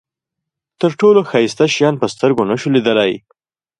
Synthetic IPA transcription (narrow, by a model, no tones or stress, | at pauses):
t̪əɾʈoloxɑjst̪aʃijɑnpəst̪əɾɡonaʃulid̪əlaj